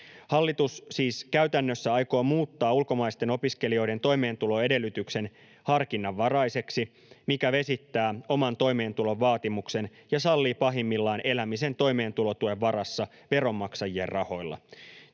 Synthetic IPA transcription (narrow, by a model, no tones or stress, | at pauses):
hɑlːit̪ussiːskæyt̪ænːøsːæɑjkoːmuːt̪ːɑːulko̞mɑist̪e̞no̞piske̞lio̞jde̞nt̪o̞jme̞ːnt̪ulo̞e̞de̞lːyt̪ykse̞n | hɑrkinːɑʋːɑɾɑjse̞ksi | mikæʋe̞sit̪ːæːo̞mɑnt̪o̞jme̞ːnt̪ulo̞ʋːɑːt̪imukse̞njɑsɑlːiːpɑɦimːilːɑine̞læmise̞nt̪o̞jme̞ːnt̪ulo̞t̪ue̞ʋʋːɑɾɑsːɑ | ʋe̞ɾo̞mːɑksɑjieːrrɑho̞jlːɑ̰